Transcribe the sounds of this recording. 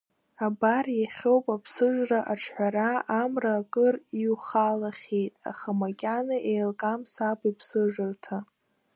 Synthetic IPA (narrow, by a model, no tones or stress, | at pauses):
abarjaχʲo̞wpʼapʰsɨʒraʔaʈ͡ʂʰħʷᶣaɾaamraːkʼɨriuχalaχʲejtʼa̰χamakʲʼanaʔejlkʼamsapʰʼipʰsɨʐɨrtʰa